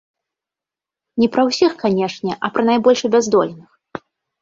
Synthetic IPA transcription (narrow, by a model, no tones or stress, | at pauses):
nʲɛpɾɐwsʲixkanʲɛʂnʲɛʔɐpɾɐnajbɔlʲʂɐbʲazd̪ɔ̰lʲnɨx